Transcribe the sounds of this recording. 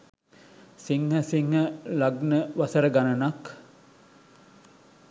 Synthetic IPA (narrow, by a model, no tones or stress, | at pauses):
siŋhɦəsiŋhəlɐɡnəʋɐsɐɾəɡanɐnɐk